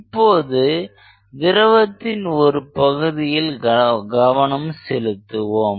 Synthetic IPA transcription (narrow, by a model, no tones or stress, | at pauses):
ɪpːoːðɯ | d̪ɪɾɐʋɐt̪ːɪnɔɾɯpɐɣɯðɪjɪlɡɐʋɐɳɐmsɛlɯt̪ːɯʋoːm